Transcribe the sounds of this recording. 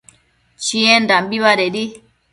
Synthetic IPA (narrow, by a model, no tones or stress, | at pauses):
t͡ʃiɛndambiβaɾɛɗi